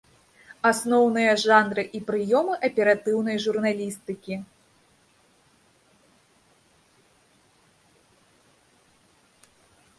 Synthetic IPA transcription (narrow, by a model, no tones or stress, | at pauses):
asnɔwnɨjɐʐanɾɨʔipɾɨjɔmɨʔɐpʲɛɾat̪ɨwn̪ɐjʐurnalʲist̪ɨkʲi